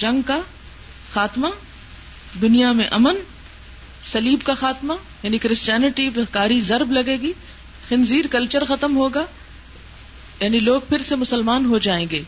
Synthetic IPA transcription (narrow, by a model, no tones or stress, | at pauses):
d͡ʒɐ̃ŋɡka | xaːt̪ma | d̪ʊnijamẽʔɐmən | sɐliːbkaxaːt̪ma | jaːnikɾɪst͡ʃjaːnɪʈiʋɐɦkaːɾizɐɾblɐɡeːɡiː | xɪnziːɾkɐlt͡ʃəɾxɐt̪əmɦoːɡaː | jaːniloːɡ̚pʰɪɾsemʊsəlmaːnɦod͡ʒaːẽːŋɡeː